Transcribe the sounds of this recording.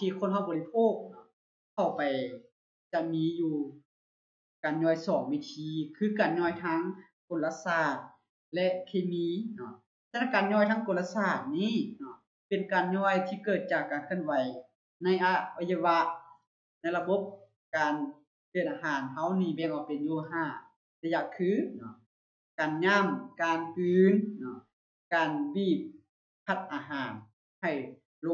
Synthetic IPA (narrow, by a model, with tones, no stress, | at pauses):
t̪ʰiː˧kʰo˧˨nɦa˧˩wbɔ˨li˧pʰoː˧˨k̚nɔ˧˥ | kʰa˧˩wpa˨˩j | t͡ɕa˧ʔmiː˧˥juː˧ | kaː˨nɲɔː˧˩˨jsɔː˨˩ŋwiː˧t̪ʰiː˧˦kʰɯː˧˥˨kaː˨nɲɔː˧˥˨jt̪ʰaː˦˥ŋ | ko˨nla˧saː˧˩t̪̚ | lɛ˧˥ʔkʰeː˧miː˧˥nɔ˧ | t͡ɕa˧na˧˨˩kaː˨nɲɔː˧˩˨jt̪ʰaː˦˧˥ŋko˨nla˧saː˧˩t̪̚niː˧˨nɔ˧˩ | pe˨˩nkaː˨nɲɔː˧˩jt̪ʰiː˧kɤː˨˩t̪̚t͡ɕaː˨˩kːaː˨nkʰɯ˧˨nwa˨˦j | na˧˥˨jʔa˧˩a˧ja˧wa˧ʔ | na˧˥jla˧bo˧˦˥p̚ | kaː˨n | kɯː˧˨˩nʔaː˧ɦaː˨˦nɦa˧˩wniː˧˩bɛː˧˩ŋʔa˧˩wpe˨njuː˧ɦaː˧˩ | t̪ɛː˧ja˧ʔkʰːɯː˧˥˨nɔ˧˩ | kaː˨nɲaː˧˥˨mkaː˨nkɯː˨˩nnɔ˧˩ | kaː˨nbiː˧˩p̚ | pʰːa˧˩t̪̚ʔaː˨˧ɦaː˨˧n | ha˨˩j | lo˧